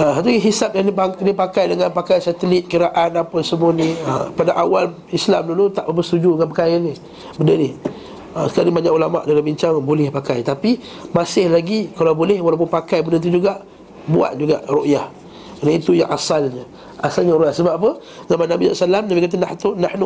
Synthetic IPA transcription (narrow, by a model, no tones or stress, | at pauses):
əɦat̪̬uɡiɦisap̚jaŋnipanipakajdəŋanpakajsat̪əlit̪̚kiɾaʔanapəsəmuaniə̰padaʔawal | islamdulut̪aʔbəbəst̪ud͡ʒudəŋanpəkajani | bəndəni | əsə̥kaliŋbaɲakulama̰ʔdalabiɲt͡ʃaŋbolɛhpakajt̪api | masɪhlaɡikalawbolɛhwalawp̬ʊnpakajbəndənt̪̬ud͡ʒuɡaʔ | bua̰t̪̚d͡ʒuɡa̰ʔroʔjah | nait̪uja̰ŋʔasalɲə | a̰salɲəɾuʔjahsəbap̚apə | zamanːabissalamnabikat̪̬ənaht̪unahnu